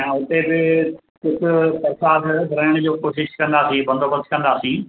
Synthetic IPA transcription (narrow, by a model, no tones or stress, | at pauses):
ʊt̪ebɪ | kʊd͡ʑʱʊ̆pɐɾsaːd̪ɾɐɦɪɽ̃d͡ʑoːkoːʃɪʃkɐ̃nd̪aːsĩbɐ̃nd̪oːbəst̪kɐ̃nd̪aːsĩː